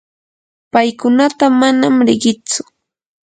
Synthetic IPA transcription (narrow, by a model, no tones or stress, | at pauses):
pajkʊnat̪amanamɾɪɢɪt͡sʊ̥